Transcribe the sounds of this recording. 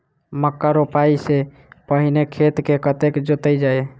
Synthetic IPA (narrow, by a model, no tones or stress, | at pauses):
məkːaɾopaise | pəɦinekʰet̪kekət̪ekd͡ʒot̪əjd͡ʒae